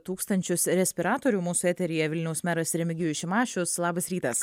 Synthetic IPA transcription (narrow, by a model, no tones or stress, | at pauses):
t̪uːkst̪ɐnʲt͡ʃʲʊsɾʲɛsʲpʲɪɾɑːt̪oːɾʲuːmuːsʊɛːt̪ʲɛɾʲɪjɛʋʲɪlʲnʲɛʊsmʲæːɾɐsɾʲɛmʲɪɡʲɪjʊʃʲɪmɑːʃʲʊslˠɑːbɐsɾʲiːt̪ɐs